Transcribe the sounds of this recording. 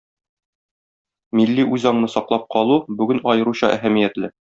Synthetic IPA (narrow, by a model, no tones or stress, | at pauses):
milːiʔʉzɒɴnɤsɒqlˠɑp̚qɒlˠubʉɡɘnɒjɤ̆ɾuɕɑ̰ʔæ̰ɦæmijæt̪lɘ